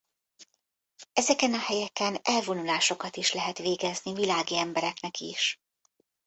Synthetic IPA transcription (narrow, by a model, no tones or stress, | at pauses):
ɛzɛkɛnɒhɛjɛkɛnɛlvo̞nulaːʃo̞kɒt̪iʃlɛɦɛt̪ʋeːɡɛznivilaːɡiɛmbɛɾɛknɛkḭʃ